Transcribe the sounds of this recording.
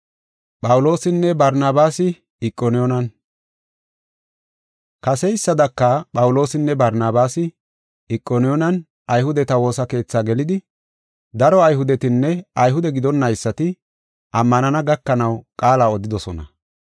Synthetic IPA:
pʼɐwʊlo̞ːsɪnːɛbɐɾnaːbaːsɪ | ɪkʼːɔnɪjɔnɐn | kɐsɛjɪsːɐd̪ɐkːɐpʼɐwʊlo̞ːsɪnːɛbɐɾnaːbaːsɪ | ɪkʼːɔnɪjɔnɐn | ʔɐjhʊd̪ɛt̪ɐwo̞ːsɐke̞ːt͡sːaːɡɛlɪd̪ɪ | d̪ɐɾɔɐjɦʊd̪ɛt̪ɪnːɛɐjɦʊd̪ɛɡɪd̪ɔnːɐɪsːɐt̪ɪ | ʔɐmːɐnɐnɐɡɐkːɐnɐwkʼaːlaːɔd̪ɪd̪ɔsɔnɐ̰

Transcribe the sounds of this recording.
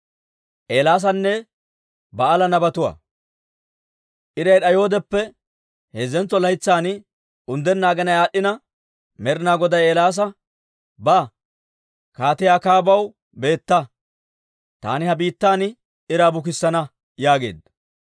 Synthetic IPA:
ʔeːlaːs̬ɐnːɛ | bɐːlɐnɐbɐt̪ʊwɐ̰ː | ʔɪɾɐjᶑɐjo̞ːd̪ɛpːɛ | heːzɛnt͡sːɔlɐjt͡sːaːnɪ | ʊnd̪ɛnːaːɡɐnɐjaːɗːɪnɐ | mɛɾɪnaːɡɔd̪ɐjeːlaːs̬ɐ | bɐ | kaːt̪ɪjaːkaːbɐw | be̞ːt̪ːɐ | t̪a̰ːnɪhɐbiːt̪ːaːnɪ | ɪɾaːbʊk̬ɪsːɐnɐ | jaːɡe̞̰ːd̪

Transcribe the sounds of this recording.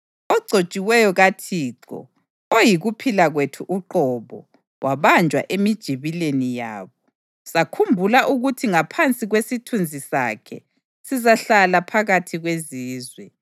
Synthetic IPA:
ɔɡ͡ǀʱo̥t͡ʃʼiwɛjɔɣatʰiːǀɔ̰ | ojiɣupʰilaɣwetʰuʔuǃɔβɔ̰ | wʔaβand͡ʒʱwa̰ʔemid̥ʒ̥ʱiβilenija̰ːβɔ | sakʰumbʱulaʔuɣutʰiŋapʰant͡sʼiɣwesitʰund͡zʱisa̰kʰɛ̰ | sizaɬalapʰaɣatʰiɣweziːzwɛ

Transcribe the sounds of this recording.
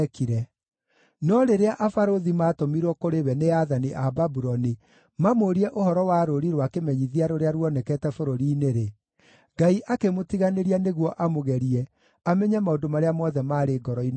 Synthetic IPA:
kiɾɛ | nɔɾeɾeaʔafaɾoðimatomiɾwɔkoɾewɛneaðaniʔababuɾɔni | mamoɾiɛʔohɔɾɔwaɾoɾiɾwakemɛɲiðiaɾoɾeaɾwɔnɛkɛːtɛfoɾoɾiːneɾe | ɡaiʔakemotiɣaneɾianeɣwɔʔamoɣɛɾiɛ | amɛɲɛmaondomaɾeamɔðɛmaːɾeɡɔɾɔin

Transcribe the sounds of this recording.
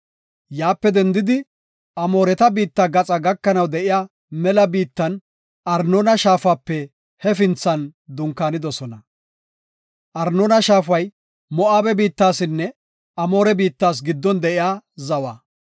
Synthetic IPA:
jaːpːɛd̪ɛnd̪ɪd̪ɪ | ʔɐmo̞ːɾɛt̪ɐbiːt̪ːaɡɐt͡sʼɐɡɐkːɐnɐwd̪ɛʔɪjaː | mɛlɐbiːt̪ːɐn | ʔɐɾnonɐʃaːfaːpːɛ | hɛfɪnt͡sːɐnd̪ʊŋkːaːnɪd̪ɔsɔnɐ | ʔɐɾnoːnɐʃaːfɐj | mɔʔaːbɛbiːt̪ːaːsɪnːɛ | ɐmo̞ːɾɛbiːt̪ːaːs̬ɡɪd̪ːɔnd̪ɛʔɪjaːzɐwaː

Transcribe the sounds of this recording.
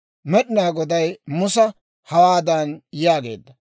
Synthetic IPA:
mɛɗɪnaːɡɔd̪ɐjmʊsɐ | hɐwaːd̪ɐnjaːɡe̞̰ːd̪ːɐ

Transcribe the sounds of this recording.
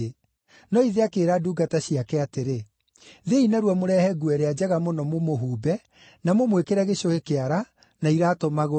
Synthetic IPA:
nɔiðeakeːɾaduːɡataɕiakɛateɾe | ðeinaɾwamoɾɛhɛɡuɛɾead͡ʑɛɣamonɔmomoɦuːbɛ | namomwekeɾɛɣeɕoɣekeaɾa | naiɾaːtomaɣo

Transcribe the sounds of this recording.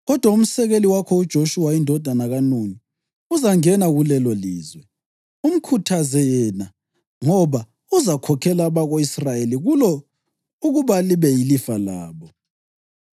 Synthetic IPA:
ɣɔd̥ʱwaum̩sɛɣeliwakʰɔud̥ʒ̥ʱoʃuwaindʱɔd̥ʱanaɣanuni | uzaŋɛnaɣulɛlɔliːzwɛ | um̩kʰutʰazɛjɛna | ŋɔβa | uzakʰɔkʰɛlaβaɣoisrajeliɣulɔ | uɣuβaliβɛjilifalaːβɔ

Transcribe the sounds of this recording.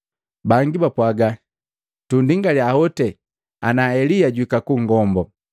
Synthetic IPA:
baŋɡibapwaɡa | tundiŋɡaliahɔtɛ | anaɛlijaɟuikakuŋɡɔmbɔ

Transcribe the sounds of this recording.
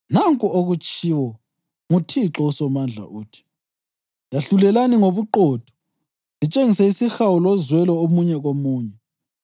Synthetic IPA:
naŋkʼuoɣut͡ʃʼiwɔ | ŋutʰiǁɔusɔmand͡ɮʱa̰ʔuːtʰi̥ | jaɬulɛlaniŋoβuǃoːd̥ʱɔ̥ | zit͡ʃʼeŋisɛisixawulɔzwɛlɔomuɲɛɣomuːɲɛ

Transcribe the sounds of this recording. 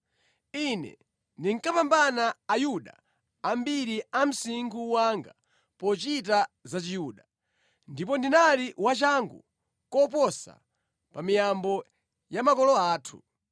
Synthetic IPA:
inɛ̰ | ndiŋkapambanaːjuɗa̰ː | mbiɾiam̩siŋɡuwaŋɡa | pɔt͡ʃitazat͡ʃijuːɗa | ndip̬ɔndinaliwat͡ʃaŋɡṵ | kɔp̬ɔsa̰ | pamijambɔ | jamakɔlɔaːtʰu̥̰

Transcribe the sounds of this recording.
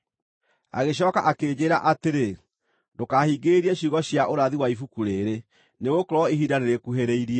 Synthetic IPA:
a̰ɣeɕ̬ɔːka̰ʔakeːd͡ʑeːɾaʔateɾe | dokahiɡeɾiɛɕiɣɔɕjaʔoɾaðiwaifukuɾeɾe | neɣokoɾɔiɦidaɾeɾekuɦeɾeiɾiɛ

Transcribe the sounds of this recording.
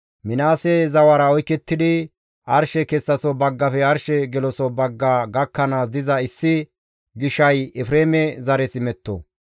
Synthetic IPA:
mɪnaːsɛzɐwɐɾɐɔjkːɛt̪ːɪd̪ɪ | ʔɐɾʃɛkɛsːɐsɔbɐɡːɐfɛɐɾʃɛɡɛlɔsɔbɐɡːaɡɐkːɐnaːs̬d̪ɪzɐɪsːɪ | ɡɪʃɐjɛfɾeːmɛzɐɾɛsɪmɛt̪ːo̰

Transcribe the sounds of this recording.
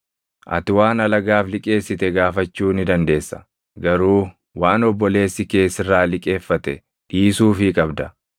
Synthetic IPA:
ʔɐ̰t̪ɪwaːnɐlɐɡaːflɪkʼe̞ːsːɪt̪ɛɡaːfɐt͡ʃːuːnɪd̪ɐnd̪e̞ːsːɐ̥ | ɡɐɾuː | waːnɔbːɔle̞ːsːɪke̞ːsɪrːaːlɪkʼe̞ːfːɐt̪ɛ | ᶑiːsuːfɪkʼɐbd̪ɐ

